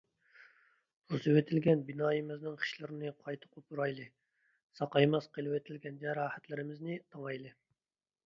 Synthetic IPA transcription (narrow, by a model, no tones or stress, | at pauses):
uzɨwet̪ʰɪlɡʲɛnbinɑːjɨmɪznɨŋqʰi̥ʃlˠɨɾɪnɨqʰɑjt̪ʰɨ̥qʰopuɾɑjlˠɨ | sɑqɑjmɑsqʰəlˠɨwɛt̪ʰɪlɡʲɛnd͡ʒɛɾɑːhæt̪lɪɾɪmɪznɨt̪ʰɑŋɑjlˠɨ